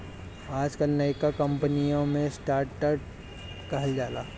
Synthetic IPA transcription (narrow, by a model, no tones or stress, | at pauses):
aːd͡ʒkanɐɪkakɐ̃mpənijõmẽsʈaːɾʈəʈ | kɐɦəld͡ʒaːlaː